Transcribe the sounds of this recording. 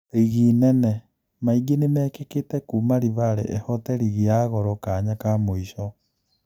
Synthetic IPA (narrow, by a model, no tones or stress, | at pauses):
iɣiːnɛnɛ | maiɡenemɛːkeketɛkuːmaɾiβaɾḛʔɛhɔtɛɾiɣiaɣɔɾɔkaɲakamoiʃɔ